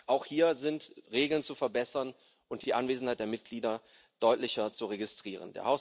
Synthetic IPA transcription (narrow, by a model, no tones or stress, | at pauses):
ʔaʊxhiːɐzɪntʁeːɡl̩nt͡sufɛɐbɛsɐn | ʔʊntd̥iːʔanveːzn̩haɪtd̥eːɐmɪt̚ɡ̥liːdɐ | d̥ɔʏtlɪçɐt͡suʁeɡɪstʁ̥iːʁ̞ə̰ndḛːɐhaʊs